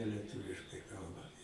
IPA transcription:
lʲiɛˈtʊʋʲɪʃkɐɪ ˈkɐlˠbɐ

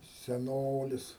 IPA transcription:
sʲɛˈnoːlʲɪs

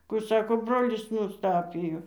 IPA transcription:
kʊ ˈsɑːkoː ˈbroːlʲɪs nʊsˈtɑːpʲɪjoː

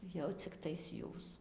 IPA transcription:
jɛʊ t͡sʲɪkˈtɐɪs ˈjuːs

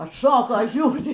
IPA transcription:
ɐtˈʃoːkoː ˈʒʲuːrʲɪ

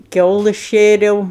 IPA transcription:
ˈkʲɛʊlˠɜs ˈʃʲeːrʲɛʊ

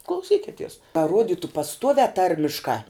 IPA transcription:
klˠɐʊˈsʲiːkʲɪtʲiɛs kɐ ˈruɔdʲɪtʊ pɐsˈtuɔʋʲæː ˈtɐrʲmʲɪʃkɑː

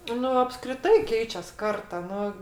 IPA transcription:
ˈnʊ ɐpskrʲɪˈtɐɪ ˈkʲɛɪt͡ʃʲɛs ˈkɐrtɐ ˈnʊ

